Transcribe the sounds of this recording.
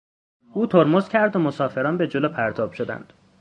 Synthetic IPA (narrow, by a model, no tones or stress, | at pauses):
ʔuːt̪ʰoɾmozcʲʰæɾd̪omosɒːfe̞ɾɒːnbe̞d͡ʒoloːpʰæɾt̪ʰɒːb̥ʃo̞d̪æ̰nd̪̥